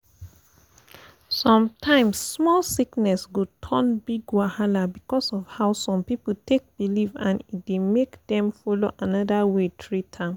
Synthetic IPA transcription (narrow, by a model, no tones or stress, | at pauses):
sɔ̃mtʰãɪ̃msːmɔlsiknɛsɡotʰɔ̃nbiɡwahalabikɔsɔvhaʊsɔ̃mpipətek̚bilivãnit̚demekdɛ̃mfɔloʔanɔdawetʰɹitʰã